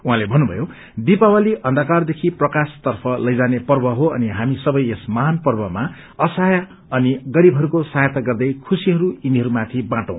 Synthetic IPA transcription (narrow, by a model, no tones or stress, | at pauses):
uɦãlebʱʌnːubʱʌ̰jo | d̪ipawaliʔʌnd̪akard̪ekʰiprʌkast̪ʌrpʰʌlʌjd͡zanepʌrbʌɦoʌniɦamisʌbʌjesmʌɦanpʌrbʌma | ʌsaja | ʌniɡʌɾibʱɦʌɾukosajʌt̪aɡʌrd̪ʌjkʰusiɦʌɾuiniɦʌɾumat̪ʰibãʈʌ̃w̃